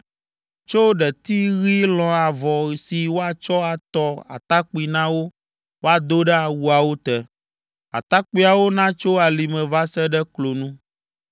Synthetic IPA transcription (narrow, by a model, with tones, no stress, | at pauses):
t͡ʃo˦ɖɛ˨t̪i˦ɣi˦lɔ̃˨a˨vɔ˨si˨wo˦a˨t͡ʃɔ˦a˨t̪ɔ˦a̰˨t̪a˦k͡pi˨nã˦wo˦ | wo˦a˨d̪o˦ɖɛ˦a˨wu˦a˨wo˦t̪ɛ˨ | a̰˨t̪a˦k͡pi˦a˨wo˦nã˦t͡ʃo˦a˨li˨mɛ̃˨va˦sɛ˦ɖɛ˦klo˨nũ˦